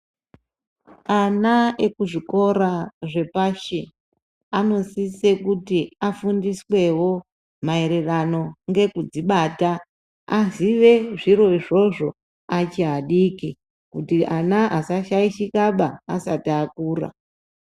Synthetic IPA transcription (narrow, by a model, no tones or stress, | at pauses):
anaekuʐiko̞ɾaʐe̞paʃi | ano̞sise̞kutiafundiswe̞wo̞ | maeɾerano̞ŋɡe̞kud͡ziɓaːta | aziʋe̞ʐiɾo̞iʐo̞ʐo̞ | at͡ʃiɦaɗiki | kutiʔanaʔasaʃaiʃikaɓaːsatiakuːra̰